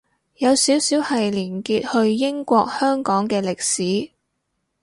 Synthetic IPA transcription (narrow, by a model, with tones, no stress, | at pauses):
jɐ˨˧wsiː˨˥wsiː˨˥whɐ˨jliː˨˩nkiː˧t̚hɵ˧ɥjɪ˥ŋkʷɔː˧k̚hœː˥ŋkɔː˨˥ŋkɛː˧lɪ˨k̚siː˨˥